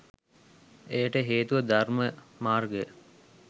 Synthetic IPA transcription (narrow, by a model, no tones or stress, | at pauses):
ejəʈəɦeːt̪uʋəd̪arməmaːrɡə